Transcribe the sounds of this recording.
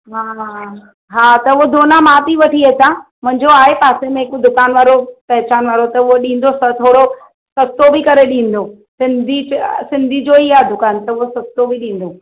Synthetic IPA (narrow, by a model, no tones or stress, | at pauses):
ɦaːɦa | ɦaːt̪ɐʊɦod̪oːnamaːt̪iʋɐʈʰiɐt͡ɕʰãmʊ̃ɦɪ̃ɲd͡ʑoaːɦepaːsemẽɦkod̪ʊkaːnʋaːɾopɐɦɪt͡ɕaːnʋaːɾot̪ɐʊɦoɗĩːn̆d̪osɐt̪ʰoːɽo | sɐst̪obɪkɐɾeɗĩːn̆d̪o | sɪ̃nd̪ʱisɪ̃nd̪ʱid͡ʑoiaːed̪ʊkaːnt̪ɐʊɦosɐst̪obɪɗĩːn̆d̪o